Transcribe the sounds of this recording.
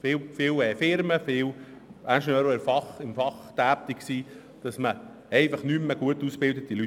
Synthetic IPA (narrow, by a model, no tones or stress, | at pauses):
fɪwfɪlɛːfɪɾməfɪw | ʔænʃnøːɾoɛɾfɑχɪmfɑχd̥æːp̚t̪iksiː | d̥ɑsmə | ɛɪfɑχnymːəɡ̥uətuːsb̥ɪldət̪ily